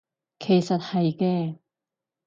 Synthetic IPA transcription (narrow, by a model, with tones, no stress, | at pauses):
kʰe˨˩jsɐ˨t̚hɐ˨jkɛː˧